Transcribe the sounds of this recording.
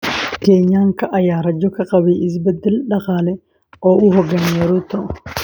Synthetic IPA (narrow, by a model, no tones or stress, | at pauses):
keːɲːaːŋkɐʔɐjaːɾɐd͡ʒːɔkɐkʼɐbiːɪs̬bɐd̪ːɪlᶑɐqaːlɛ | ʔɔːʔuːɦɔɡɐnɛɾut̪ɐʔ